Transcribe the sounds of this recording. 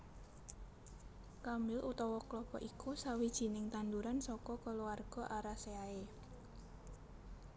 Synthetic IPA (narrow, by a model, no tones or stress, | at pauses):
kamɪlʔut̪ɔwɔklɔkɔ̰ʔikusawid̥ʒ̥i̤nɪŋt̪and̪uɾansɔkɔkəluarɡ̥ɔ̤ʔaɾaseae